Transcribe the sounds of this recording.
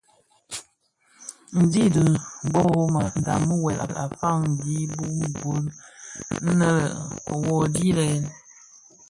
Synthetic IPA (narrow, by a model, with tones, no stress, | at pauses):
n̩˨di˦də˨bɔ˦ɣo˦ma˨n̩˨da̰˨mə˦wɛ˨lʔa̰˨a̰˨fa˦ŋn̩˨di˦bu˦m˨ɡo˨˦l | n̩˦nə˦lə̰˨ɔ˨wɔ˨di˦lɛ˨˦n